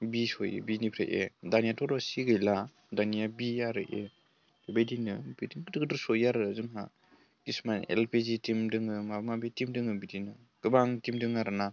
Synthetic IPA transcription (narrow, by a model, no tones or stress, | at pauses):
bisɔjɯ̰binipʰɾḛʔḛdanijatɔɾɔsiɡɯjla | danijabijaɾɯʔe̥ | ebejdinɯbidiŋɡdɯɡdɯsɔjaɾɯzɯŋna̰ | kismanḛlpʰezitimdɯŋɯmabmabetimdɯŋɯbidinɯ | ɡ̥ɯbaŋtimdɯŋaɾɯna